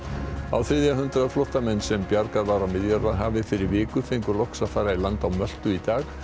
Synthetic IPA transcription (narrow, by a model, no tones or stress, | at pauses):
a̰wθɾɪðjaɦʏnt̪ɾaðflɔht̪amɛnːsɛmpjaɾkaðvaɾawmɪðjaɾvaðɦaːvðɪfɪɾɪɾvɪːkʏfejŋkʏɾlɔhksaðfaːɾailant̪awmœl̥t̪ʏit̪aːx